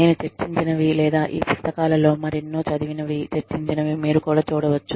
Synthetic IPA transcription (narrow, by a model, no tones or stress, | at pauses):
ne̞ːnut͡ʃeɾt͡ʃːiɲt͡ʃinɐʋilɛːd̪aːʔiːpust̪ʰɐkaːlɐlo̞ːmɐɾinːut͡ʃɐd̪iʋinɐʋit͡ʃeɾt͡ʃiɲt͡ʃinɐʋimiːɾukuːɽaːt͡ʃuːɽɐʋɐt͡ʃːu